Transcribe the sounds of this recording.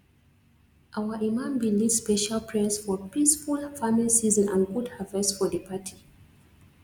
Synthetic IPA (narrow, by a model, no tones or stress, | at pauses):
ʔawəʔimãmbilivspɛʃalpʰɹɛsfɔpisfulfamilisizɔ̃nã̰nɡudhavɛsfɔdəpʰatʰi̥